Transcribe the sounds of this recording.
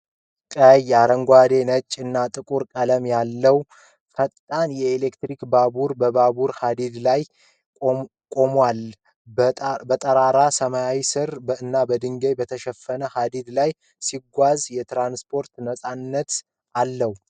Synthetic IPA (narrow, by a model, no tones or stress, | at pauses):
kʼəjaɾəŋɡʷad̪e̞nət͡ʃʼːɨnːat̪ʼɨkʼuɾkʼələmjalːəw | fət̪ʼt̪ʼanjɛːlekt̪ɾikbabuɾbəbabuɾhad̪id̪laj | kʼo̞mwal | bət̪ʼəɾaɾasəmajawisɨɾɨnːabəd̪ɨŋɡejbət̪ʰəʃɛfːənəhad̪id̪laj | siɡʷazjɛt̪ɾanspʰo̞ɾt̪nəsʼanːət̪ | alːəh